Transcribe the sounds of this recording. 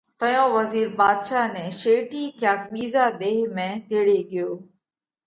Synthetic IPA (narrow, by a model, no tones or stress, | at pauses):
t̪əjõːʋəziːɾbaːd̪ʃaːnɛ̃ːʃeːʈiːkjaːk̚ɓiːzaːɗ̪eːɦmẽːd̪eːɽeːɠɪjoː